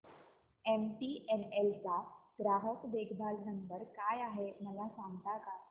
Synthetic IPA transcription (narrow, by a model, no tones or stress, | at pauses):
emʈiʔɛnelt͡saɡɾaɦəkʋeɡʱb̪ʱalnənt̪əɾkajaɦeməlasaŋɡt̪aka